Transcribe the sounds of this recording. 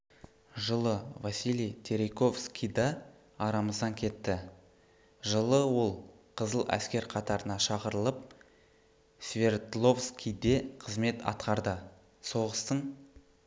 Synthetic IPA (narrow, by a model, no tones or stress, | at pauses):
ʒəlˠəvɑsilijt̪ʲʰe̞ɾejko̞fskʲijd̪ɑː | ɾɑməzd̪ɑŋkʲʰe̞t̪ːɪ | ʒəlˠəwo̞lˠ | qʰəzəlˠæ̰skʲe̞ɾqʰɑt̪ɑɾənɑʃɑqəɾəlˠəp̚ | svʲe̞rt̪lˠo̞fskʲijd̪e̞qʰəzme̞t̪ɑ̰t̪̚qɑɾd̪ə | so̞ʁəst̪əɴ